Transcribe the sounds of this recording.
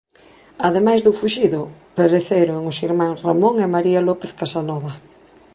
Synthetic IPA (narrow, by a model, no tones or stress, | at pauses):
aðemajzðufuʃiðʊpeɾeθeɾoŋosiɾmãŋsramõŋemaɾialɔpeθkasanɔβa